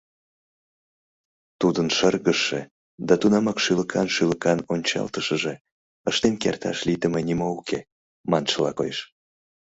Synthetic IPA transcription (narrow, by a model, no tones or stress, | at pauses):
t̪ud̪ənʃərɣəʃːḛ | d̪ɑt̪unɑmɑkʃyləkʰɑnʃyləkɑnonʲt͡ɕɑ̰lt̪əʃəʒe | əʃt̪enkert̪ɑ̰ʃlit̪əmenimoukʰe | mɑnʃəlɑko̰jʃ